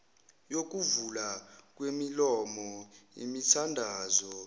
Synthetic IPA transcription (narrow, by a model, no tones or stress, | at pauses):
jok̬uvulak̬wemilɔmɔḭmitʰandʱaːzɔ